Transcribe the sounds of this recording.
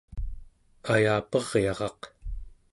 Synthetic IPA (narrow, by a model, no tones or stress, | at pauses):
ajaːpʌʁjɑʁɑq